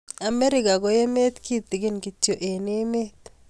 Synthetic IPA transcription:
a˨me˦ɾɪ˦ɡa˨ɡo˦je˦me˦t̪kʰi˦t̪ɪ˨ɡɪ˦nki˨tjo˨ʔe˨nɪ˦me˦t̪

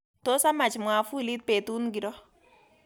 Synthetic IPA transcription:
to˦sa˦ma˨t͡ʃmwa˨fu˦li˦t̚pe˨tu˦nɡi˨ɾɔ˦

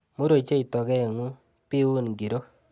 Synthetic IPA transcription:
mo˦ɾo˨t͡ʃe˦i˨tɔ˨ɡɛ˦˨ŋu˦ | pi˦u˦nɡi˨ɾo˦

